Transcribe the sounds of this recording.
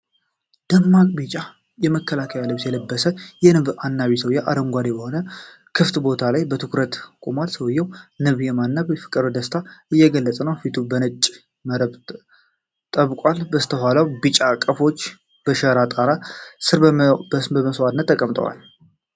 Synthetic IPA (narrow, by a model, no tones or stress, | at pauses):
d̪̥əmːakʼbit͡ʃʼa | jɛməkʰːəlakʰəjalɨβsjɛləbːəsəjɛnɨβanːaβisəwjaʔa̰d̪əŋɡʷad̪ebəho̞nə | kʰɨft̪bo̞t̪ʰalajbət̪ʰɨkɾət̪kʼumalsəwjːɛwnɨβjɛmanːaβifɨkʼɨɾəwd̪əst̪ʰaɨjːɛɡəlːət͡sʼənəwfit̪ʰubənət͡ʃʼː | məɾəβ | t̪ʼəβkʼʷalbəst̪ʰəɦalawbɨt͡ʃʼakʼːəfo̞t͡ʃː | b̥əʃəɾat̪ʼaɾasɨɾsbəməswat̪nət̪ːəkʼəmt̪ʼə̰wa̰l